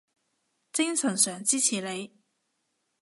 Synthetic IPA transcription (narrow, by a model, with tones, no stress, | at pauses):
t͡sɪ˥ŋsɵ˨˩nsœː˨˩ŋt͡siː˥t͡sʰiː˨˩le˨˧j